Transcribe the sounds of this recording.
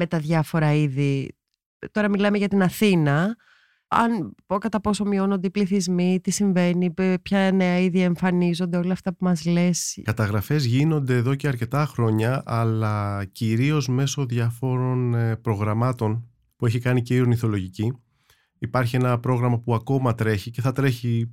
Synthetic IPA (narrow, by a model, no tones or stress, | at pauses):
me̞t̪ɐðʝɐfo̞ɾɐiði | t̪o̞ɾɐmilɐmeʝɐt̪inɐθinɐ | ɐ̰nokɐt̪ɐpo̞so̞mio̞no̞nd̪eipliθizmit̪isiɱve̞nipçɐne̞ɐiðie̞ɱfɐnizo̞nd̪eo̞lɐːft̪ɐpumɐzle̞skɐt̪ɐɣɾɐfe̞zʝino̞nd̪e̞ːðo̞ceɐɾce̞t̪ɐxɾo̞ɲɐɐlɐciɾio̞zme̞so̞ðʝɐfo̞ɾo̞npɾo̞ɣɾɐmɐt̪o̞n | pueçikɐnice̞iɾoniθo̞lo̞ʝici | ipɐɾçie̞nɐpɾo̞ɣɾɐmɐpuɐko̞mɐt̪ɾe̞çice̞θɐt̪ɾe̞çi